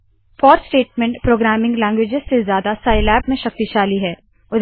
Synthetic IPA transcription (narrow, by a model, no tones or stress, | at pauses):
fɔːɾsʈeːʈmɛ̃ɳʈpɾoːɡɾæːmɪ̃ŋɡlɛ̃ːŋɡwed͡ʒɪzsezjaːd̪asaːɪlɛːbmẽʃɐk̚t̪iʃaːliɦɛː | ʊd̪